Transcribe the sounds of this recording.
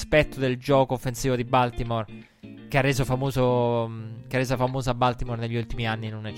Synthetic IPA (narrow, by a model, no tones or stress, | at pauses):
spɛt̪ːod̪eld͡ʒɔːkoːfːensiːvod̪ibalt̪imor | kearːeːzofamoːzo | kearːeːzafamoːzoabalt̪imorneʎːult̪imianːinonɛ